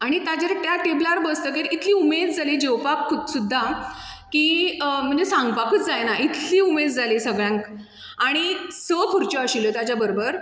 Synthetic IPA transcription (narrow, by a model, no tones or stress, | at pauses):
aɽ̃it̪ad͡ʑeɾʈjaʈeblaɾbəst̪əkeɾit̪ʰliːumed̪̚d͡zalid͡ʑewpakkʰːud̪sud̪ʱːa | kiːəm̤əesãŋɡpakət͡sd͡zajnaʔit̪ʰliːumed̪̚d͡zalisəɡɭjãŋk | aɽ̃isəpʰuɾt͡ɕɔəɕilət̪ad͡ʑjabəɾobəɾ